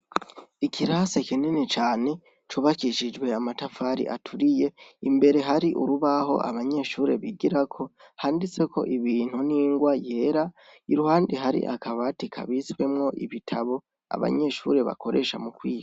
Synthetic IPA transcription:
ikʰiɾasekinenet͡ʃaːne̞ | t͡ʃuːβakiʃid͡ʒɡwe̞amatafaɾḭʔa̰tʰuɾije̞imbe̞ɾe̞ɦaɾiʔuɾuβaɦo̞̰ʔa̰βaɲe̞ʃuːɾe̞βiɡiɾakʰo̞ | haːndit͡se̞kʰo̞̰ʔiβiːn̥huniːŋɡwaje̞ːɾa | iɾuhaːndiɦaɾḭʔa̰kʰaβatikʰa̰βiswe̞mŋo̞ʔḭβitʰaβo̞ | a̰βa̰ɲe̞ʃṵːɾe̞βa̰ko̞ɾe̞ʃamukwiːɡa

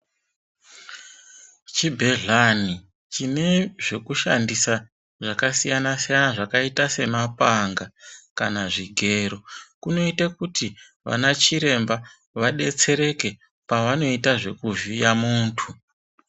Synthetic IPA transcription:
t͡ʃibʱe̞ɮani | t͡ʃine̞ʐe̞kuʃa̰ndisa | ʐakasijanasijanaʐakaitase̞mapaŋɡakanaʐiɡʱe̞ɾo̞kuno̞itakuti | ʋa̰nat͡ʃiɾe̞mba | ʋaɗe̞t͡se̞ɾe̞ke̞ | paʋano̞itaʐe̞kuʒijamuːntʰu

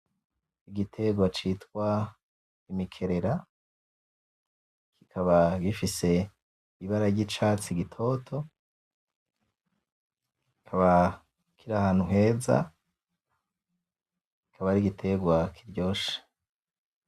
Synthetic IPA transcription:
iɡitʰe̞ɡwat͡ʃitkwa | imikʰe̞ɾe̞ɾa | kikʰaβaɡifise̞ | iβaɾaɾɟit͡ʃaːt͡siɡitʰo̞tʰo̞ | ki̥kʰaβa | kʰiɾahaːn̥huɦe̞ːza̰ | ki̥kʰaβaɾiɡitʰe̞ɡwakʰiɾɟo̞ːʃe̥

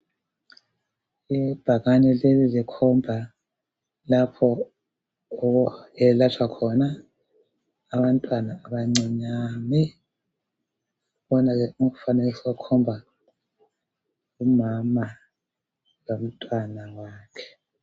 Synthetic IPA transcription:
ib̥ʱaɣaɲɛlezizɛkʰɔmbʱa | lapʰɔ | ɔɔɛlat͡ʃʰwakʰɔna | βantʼwanaːβaŋ͡ǀiɲami | βɔnaɣɛuŋufanɛliswakʰɔmbʱa | umama | lom̩tʼwanawaːkʰɛ̥

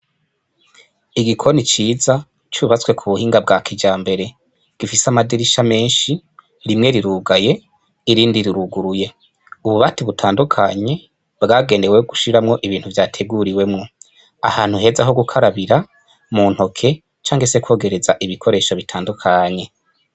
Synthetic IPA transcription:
iɡikʰo̞nit͡ʃiːza | t͡ʃuβat͡swe̞kʰuβuhiːŋɡabɡaːkʰid͡ʒaːmbe̞ɾe̞ | ɡ̥ifisamadiɾiʃame̞ːnʃi | ɾimŋe̞ɾiɾuːɡaje̞ | iɾiːndiɾiɾuɡuɾuje̞ | uβuβatiβutʰaːndukʰaɲe̞ | bɡaːɡe̞ːndeweɡuʃiɾamŋo̞ʔiβiːn̥huvjaːtʰe̞ɡuɾiwe̞mŋo̞ | ahaːn̥huɦe̞ːzaɦo̞ɡukʰaɾaβiɾa | mun̥ho̞kʰe̞ | t͡ʃaːŋhese̞kwo̞ːɡe̞ɾe̞zaʔiβikʰo̞ɾe̞ːʃaβitʰaːndukʰaɲe̞

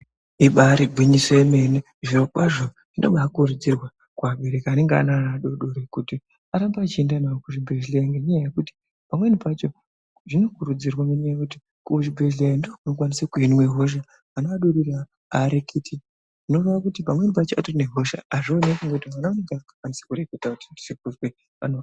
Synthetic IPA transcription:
iɓaɾibʱwiɲisoeme̞ne | ʐiɾokwaʐo | ʐ̥ino̰ɓakurud͡zirwa | kwaɓeɾekaane̞ŋɡea̰nanaɗo̞ɗoɾekuti | aɾambaːt͡ʃiendanaokuʐibʱe̞ʒlejaŋɡeɲajaje̞kuti̥ | pamwe̞nipat͡ʃo̞ | ʐino̞kuɾud͡zirwaŋɡeɲaajekuti | kuoʐibʱeʒlejandookunok̬wanisakuinwe̞ɦo̞ʃ̬aː | noaɗoɾiɾa | aɾekiti | ʐ̥ino̞roʋakutipamwe̞nipat͡ʃoatoneɦo̞ʃa̰aʐionekuŋɡeutimwanaaneŋɡakḁkwanise̥kuɾeketakuti̥ndisik̚uzwe | a̰no

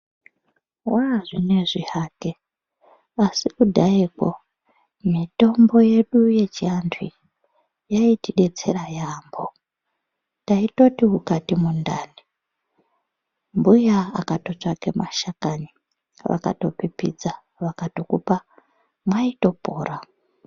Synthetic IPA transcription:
waʐine̞ʐihaːke | asikudʱaikwo | mito̞mbo̞je̞ɗuje̞t͡ʃiantʰwi | jaitiɗe̞t͡se̞ɾajaːmbo̞ | taito̞tiɦukatimundaːni | mbujaakato̞t͡ʂakemʔa̰ʃakaɲi | ʋa̰ka̰to̞pipḭd͡za | ʋakatokupa | mwaito̞po̞̰ːra

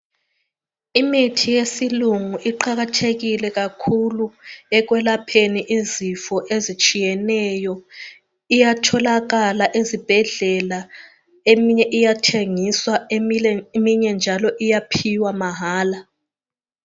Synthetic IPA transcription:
imitʰijesiluŋuʔiǃaɣatʰeɣilɛɣakʰuluɛɣ̬wɛlapʰeniʔizifɔʔezit͡ʃʼijɛnɛjɔ | ijatʰɔlaɣalaʔezib̥ʱɛɮɛla | emiɲɛʔijatʰeŋiswaemiɛmiɲɛnd͡ʒʱalɔʔijapʰiwamaɦaːla

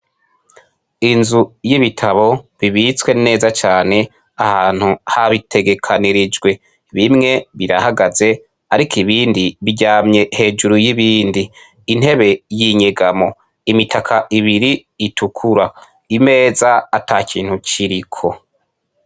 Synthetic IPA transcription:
inzujiβitʰaβo̞βiβit͡swe̞ne̞ːzat͡ʃaːne̞ | ahaːn̥huhaβitʰe̞ɡe̞kʰaniɾid͡ʒɡwe̞ | βimŋe̞βiɾahaɡaze̞ | aɾikʰiβiːndiβiɟaːmɲe̞he̞ːd͡ʒuɾujiβiːndiː | n̥he̞βe̞jiɲeɡamo̞ | imitʰakʰaʔiβiɾiː | tʰukʰuɾa | ime̞ːzaːtʰakʰiːn̥hut͡ʃiɾikʰo̞

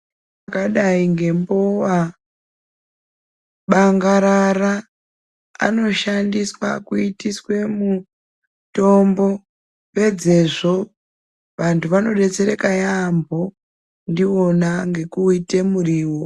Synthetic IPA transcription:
akaɗaiŋɡe̞mbowa | ɓaŋɡaɾara̰ː | no̞ʃandiswa̰kuitiswe̞mu | to̞mbo̞ | pe̞d͡ze̞ʐo̞ | ʋantʰuʋano̞ɗe̞t͡se̞ɾe̞kajambʱo̞ | ndio̞naŋɡe̞kuite̞muriːwo

